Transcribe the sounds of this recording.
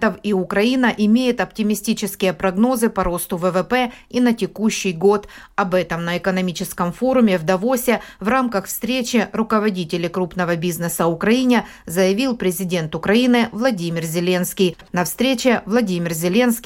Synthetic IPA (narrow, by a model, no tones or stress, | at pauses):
t̪əfiʊkɾɐinəʔɪmʲejɪt̪ɐp̚tʲɪmʲɪsʲtʲit͡ɕɪskʲɪjəpɾɐɡno̞zɨpɐɾo̞st̪ʊvəvɛpɛinətʲɪkuɕːɪjɡo̞t̪ɐbɛt̪əmnəɪkənɐmʲit͡ɕɪskəmfo̞ɾʊmʲɪvd̪ɐvo̞sʲɪvramkəxfst̪ɾʲet͡ɕɪɾʊkəvɐdʲitʲɪlʲɪkɾupnəvəbʲiznəsəʊkɾɐinʲɪ | zəjɪvʲilˠpɾʲɪzʲɪdʲe̞nt̪ʊkɾɐinɨvlˠɐdʲimʲɪrzʲɪlʲe̞nskʲijnɐfst̪ɾʲet͡ɕɪvlˠɐdʲimʲɪrzʲɪlʲe̞nskʲ